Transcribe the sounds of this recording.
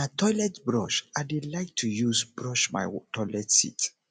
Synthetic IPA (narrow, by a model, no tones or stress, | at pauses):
atʰɔɪlɛtbɹɔʃadelaɪk̚tʰujusbɹɔʃma̰ɪtʰɔɪlɛtsḭt